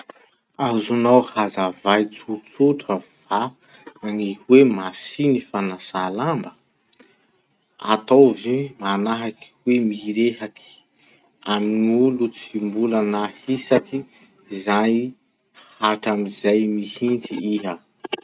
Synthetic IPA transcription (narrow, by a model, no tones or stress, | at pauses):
azunawhazavajt͡sut͡suʈ͡ʂəv̥a | aŋihwemasinifanasalambə | a̰t̪owvimanaɦaki̥wemiɾeɦaki̥ | aminulut͡simbulanahisaki | zaj | haʈ͡ʂamizajmihint͡siiɦə